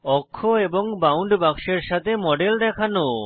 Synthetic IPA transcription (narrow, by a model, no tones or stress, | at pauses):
ɔkʰːoebɔŋbawɳɖbakʃeɾʃat̪ʰemɔɖeld̪ɛkʰano